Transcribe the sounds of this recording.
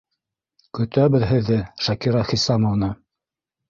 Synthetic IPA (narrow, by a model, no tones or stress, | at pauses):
kɵ̆t̪æβɘðɦɘ̆ðːɘʃɑkiɾɑχisɑmŏvnɤ